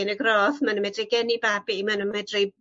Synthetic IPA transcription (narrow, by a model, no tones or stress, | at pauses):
nəɡrɔːθmanəmɛdrɪɡɛnibabimanəmɛdre